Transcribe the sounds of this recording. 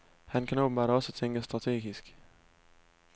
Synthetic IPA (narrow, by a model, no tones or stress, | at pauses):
hænkʰænoʊbən̩bɑːɾɒ̽sət͡sʰeŋɡ̥əsd̥ʁɑt͡sʰe̝̰ːɡ̥isɡ̥